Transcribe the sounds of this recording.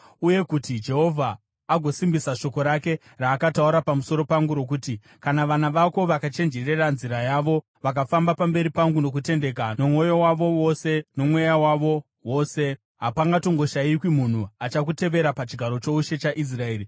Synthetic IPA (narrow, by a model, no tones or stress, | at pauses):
uje̞kutid͡ʒe̞ɦo̞vʱaː | ɡʱo̞simbisaʃo̞ko̞ɾake̞ | raːkatauɾapamuso̞ɾo̞paŋɡuɾo̞k̬uti | kanaʋanaʋako̞ʋakat͡ʃe̞nd͡ʒe̞re̞ranziɾajaːʋo̞ | ʋakafambapambe̞ɾipaŋɡuno̞k̬ute̞nde̞k̬ano̞mwo̞jo̞waʋo̞wo̞se̞no̞mwe̞jawaʋo̞ | wo̞ːse̞ | ɦapaŋɡato̞ŋɡo̞ʃaikwimun̤uat͡ʃak̬ute̞ʋe̞ɾapat͡ʃiɡʱaɾo̞t͡ʃo̞uʃe̞t͡ʃaʔis̬rae̞ːɾi